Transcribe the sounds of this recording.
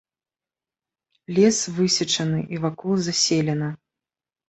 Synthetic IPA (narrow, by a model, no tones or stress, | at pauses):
lʲɛsvɨsʲɐt͡ʂɐnɨʔivakɔlˠzasʲelʲɛnɐ